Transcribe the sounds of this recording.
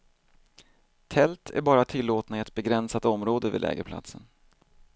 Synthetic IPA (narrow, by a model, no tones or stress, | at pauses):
t̪ʰɛlt̪ʰæ̰ɾbɑːɾat̪ʰɪlːoːt̪naɪɛt̪̚bɛɡɾɛnsat̪ɔmɾoːd̪əvɪd̪lɛ̰ːɡəɾpʰla̰t̪sən